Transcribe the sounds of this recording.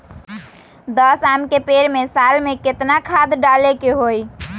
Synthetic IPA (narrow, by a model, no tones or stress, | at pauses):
d̪əsamkepeɾmesalmeket̪nakʰad̪ɖalekeɦoj